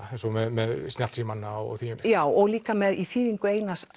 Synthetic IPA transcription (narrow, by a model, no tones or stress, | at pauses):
ɛjnsɔmɛðmɛðsnat̪simanːaɔɔ̰ɣθʰiːmʏnlɪ̥jaːwɔɣliːkamɛðiθiːðiŋkʏeːjnas